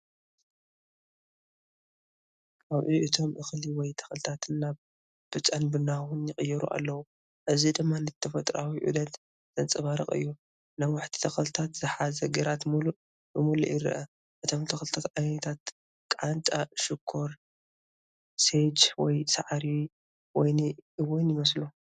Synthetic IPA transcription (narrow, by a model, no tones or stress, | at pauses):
ʔaβʔiʔɨt̪ʰo̞mʔɨxliwɔjt̪ʰɐ̥xlt̪ʰat̪ʰɨnːaβ | b̥ɨt͡ʃʼanbɨnawunjɪχʼɨjːɛɾṵʔa̰lːɐwu | ʔɨzid̪ɨmːanɨt̪ʰːɐfɐt̪ʼɾawiʕʔṵd̪ɐt̪ | z̥ɐnt͡sʼɐβaɾɐ̰χʼɨ̰jːu | nawaħt̪ʰi̥t̪ʰɐxɐlɨt̪ʰat̪z̥ɨħazɐɡɐɾat̪mulu | bɨmulṵʔjɪɾɨ̰ʔɐ | ʔɨt̪ʰo̞mt̪ʰɐxlɨt̪ʰat̪ʕajnɐt̪ʰat̪ | kʼant̪ʼaʃɪkʰːoɾ | sed͡ʒwɔjsaʕɾi | wɔjniʔɨwɔnjɪmɐslu